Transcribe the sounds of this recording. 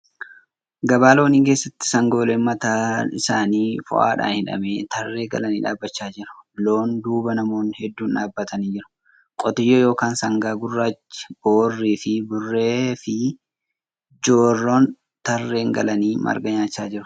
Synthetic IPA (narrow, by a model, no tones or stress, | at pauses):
ɡɐbaːlo̞ːniːŋke̞ːsːɐt̪ːɪ̥sɐŋɡo̞ːleːmːɐt̪aːɪsaːniːfʊ̰ʔa̰ːᶑa̰ːnhɪᶑɐ̰meːt̪ɐrːe̞ːɡɐ̰lɐniːᶑa̰ːbːɐt͡ʃːaːd͡ʒɪɾʊ̥lo̞ːnd̪uːbɐnɐmo̞ːnhɛd̪ːuːnᶑaːbːɐt̪ɐniːd͡ʒɪɾʊ̥ | kʼɔt̪ɪjːojo̞ːkaːnsɐŋɡaːɡʊrːaːt͡ʃːɪ̥b̥oːrːiːfɪbʊrːe̞ːfɪ | d͡ʒo̞ːrːoːn | t̪ɐrːe̞ːŋɡɐ̰lɐniːmɐ̰ɾɡɐɲaːt͡ʃːaːd͡ʒɪɾʊ̥